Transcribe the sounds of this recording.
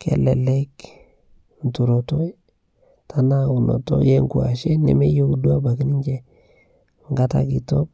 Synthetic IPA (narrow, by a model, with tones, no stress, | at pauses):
kɛ̰˨lɛ˨lɛ˦k | n̩˨tu˨ɾo˨to˦ | ta˨na˦u˨nɔ̰˨tɔ̰˦je˦ŋkua̰˨ʃe˦nɛ̰˦me˦jo˦kdu˦a˦ba˨ki˦ni˦ɲd͡ʒe˨ | ŋɡa˦ta̰˦ki˨to˦k̚